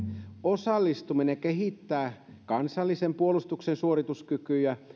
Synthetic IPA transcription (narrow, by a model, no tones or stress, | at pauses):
osɑlːist̪uminekeɦit̪ːæːkɑnsɑlːisempuolust̪uksensuorit̪uskykyjæ